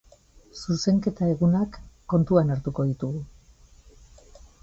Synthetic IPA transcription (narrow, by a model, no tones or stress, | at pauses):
suse̞ŋke̞t̪ae̞ɣunakːo̞nt̪uanaɾt̪uko̞ðit̪uɣu